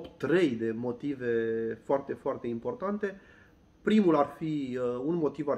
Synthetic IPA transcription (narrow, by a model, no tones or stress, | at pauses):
pt̪ːɾe̞jd̪e̞mo̞t̪ive̞foart̪e̞foart̪e̞impo̞rt̪ant̪e̞ | pɾimularfiunmo̞t̪iva